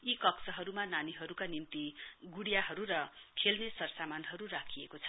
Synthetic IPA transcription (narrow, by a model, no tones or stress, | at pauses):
ikʌksʌɦʌɾumananiɦʌɾukanimt̪iɡuɽjaɦʌɾurʌkʰelnesʌrsamanɦʌɾurakʰiekot͡sʰʌ̥